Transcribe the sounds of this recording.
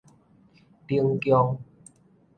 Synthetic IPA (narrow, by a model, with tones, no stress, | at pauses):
pi˧əŋkjɔ˧ŋ